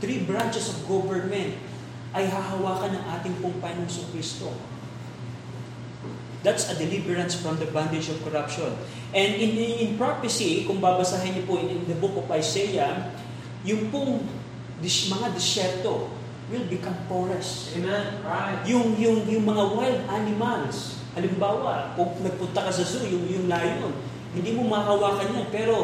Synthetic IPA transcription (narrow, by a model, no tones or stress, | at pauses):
t̪ɾibɹant͡ʃɛsɔfɡovɛɹnmɛ̃nt̪̚ | ʔɐjɦaɦɐwaːkɐnɐŋʔaːt̪ɪŋpʊŋpanoŋsʊkwist̪o̰ | d̪at̪sɐd̪ɛlibɛɹɐnsfɹɐ̃md̪ɐband̪ɛd͡ʒɔvkoɾapʃõn | ʔɛ̃nd̪ɪnɪnpɹapɪsikʊŋbabɐsaːɦɪnːʊpʊɪnd̪ɐbʊkofɐjsɛjɐ | jʊŋpʊŋ | d̪ɪmɐŋad̪ɛsɛɹt̪o̞ | wɪlbɪkãmpoɹɛs | ɛnjʊŋjʊŋjʊŋmɐŋawajld̪ʔanɪmals | hɐlɪmbaːwɐkʊŋnɐɡ̚pʊnt̪ɐkɐsɐzujʊŋjʊŋlaːjon | hɪnd̪iːmomɐakɐwaːkɐnjanpɛːɾo̞